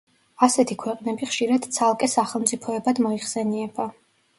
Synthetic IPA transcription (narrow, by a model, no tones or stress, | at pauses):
asɛt̪ʰikʰwɛqʼnɛbiχʃiɾad̪̥t̪sʰalˠkʼɛsaχɛlˠmt̪sʼipʰɔɛbad̪mɔiχsɛniɛb̥a